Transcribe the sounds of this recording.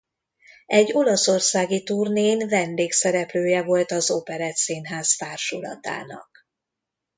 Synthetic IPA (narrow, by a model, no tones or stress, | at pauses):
ɛɟːo̞lɒso̞rsaːɡit̪urneːnvɛnd̪eːksɛɾɛpløːjɛvo̞lt̪ɒzopɛɾɛt̪seːnɦaːsfaːrʃulɒ̰t̪a̰ːnɒ̰k